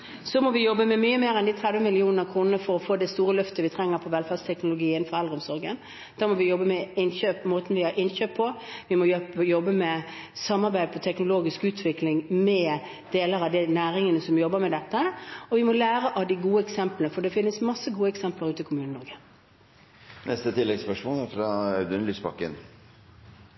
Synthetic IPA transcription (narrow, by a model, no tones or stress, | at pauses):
sɔmɔʋɪjɔbːəmɛmyːəmeːɾɛnd̪it̪ʰɾɛd̪ʋəmɪlɪuːnənəkʰʁuːnnəfɔɾɔfoːd̪ɛst̪uːɾəlœft̪əʋɪt̪ʰɾɛŋːəɾpʰɔʋɛlfæd̪st̪ʰɛknʊlʊɡiːənfɔɾɛld̪ʁəɔmsɔɾɡən | d̪̥æːɾmɔʋɪjɔbːəmɛɪnçøːpːmoːt̪n̩ʋɪhɑɾʔɪnɕøːpʰːɔʋɪmɔjjɔbːəmɛsɑmːɑɾbæɪd̪əpʰɔt̪ʰɛknʊloːɡɪskʉːt̪ʰʋɪklɪŋmɛ | d̪̥eːləɾɑʋd̪ɪnæːɾɪŋənəsɔmjɔbːəɾmɛd̪ɛt̪ːəɔʋɪmɔlæːɾəʔɑʋd̪ɪɡuːəɛksɛmplnəfɔɖ̪ɛfɪnːəsmɑsːəɡuːəɛksɛmpləʁʉːt̪ɪkʰʊmʉːnənɔɾɡə | nʔɛst̪ət̪ʰɪlːɛɡspœʂmuːnæɾfɾɑœʉd̪ənlyːsbɑ̰kːə̰n